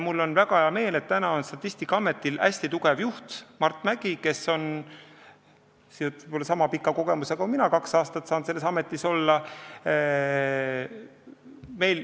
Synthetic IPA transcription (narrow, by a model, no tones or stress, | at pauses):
mulːo̞nvæɡ̥ɑheɑme̞ːle̞t̪ːænɑo̞nst̪ɑt̪ːˑist̪ikːɑɑme̞t̪ːˑilʔæsʲt̪it̪uɡe̞vjuht̪mɑrt̪ːˑmæɡ̥ike̞sːo̞n | siot̪ːpolːɑsɑmɑpikːˑɑko̞ɡ̥e̞musekɑminɑkɑksɑːst̪ɑt̪sɑːnse̞lːesɑme̞t̪ːˑiso̞lːɑ | me̞jl